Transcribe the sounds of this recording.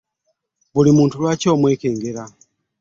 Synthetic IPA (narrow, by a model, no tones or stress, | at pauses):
βulimuːntulwaːco̞ːmwe̞ːke̞ːŋɡe̞ɾa